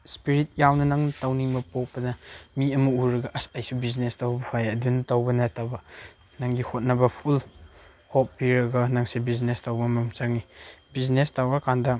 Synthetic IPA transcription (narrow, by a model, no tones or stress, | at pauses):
spiɾit̚jawnɐnaŋnɐtɐwniŋmɐpopɐnɐmiɐmuuɾɐɡɐʔɐsajsubiznestɐwbɐpʰajɐdunɐtɐwbɐnɐtabɐ | naŋdihot̚nɐbɐpʰul | hop̚ːiɾɐɡɐnaŋsebiznestɐwbɐmɐmt͡ʃaŋibiznestawɐkʰandɐ